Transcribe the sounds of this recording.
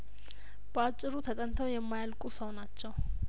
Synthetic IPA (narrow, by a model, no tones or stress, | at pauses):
b̥əat͡ʃʼːɪɾut̪ʰət̪ʼənt̪ʰəwjɛmːajalkʼusəwnat͡ʃːɛw